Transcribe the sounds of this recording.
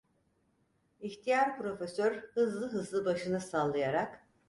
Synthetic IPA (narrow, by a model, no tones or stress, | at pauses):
içt̪ʰijaɾpɾo̞fesøɾhɯzlˠɯɦɯzlˠɯbaʃɯnɯsalˠːɯjaɾak